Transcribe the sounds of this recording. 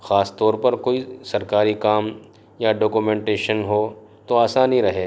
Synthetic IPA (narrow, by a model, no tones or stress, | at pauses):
xaːst̪ɔːɾpɐɾkoːisɐɾkaːɾikaːm | jaɖoːkumẽːɳʈeːʃənɦoː | t̪oaːsaːniɾɐɦeː